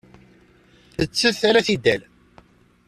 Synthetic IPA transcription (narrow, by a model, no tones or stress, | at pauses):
θət͡sːəθaɾæθid̪æl